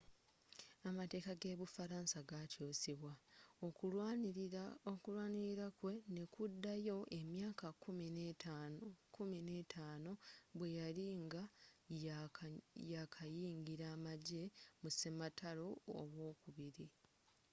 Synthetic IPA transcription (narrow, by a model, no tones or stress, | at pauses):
amate̞ːkaɡe̞ːβufaɾaːnsaɡatjoːsiβwao | okulwaːniɾiɾakwe̞ne̞kudːajo̞ʔe̞mjaːkakuminakumine̞ːtʰaːno̞βwe̞jaliŋɡa | jakʰajiːŋɡiɾaːmaɟe̞musemataloo̰βwo̞ːkuβiɾi